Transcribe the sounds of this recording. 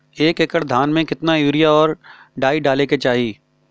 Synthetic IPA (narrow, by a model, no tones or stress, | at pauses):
eːkekəɽd̪ʱaːnmẽkɪt̪najuːɾɪjaɔːɾ | ɖaːiɖaːleket͡ʃaːɦiː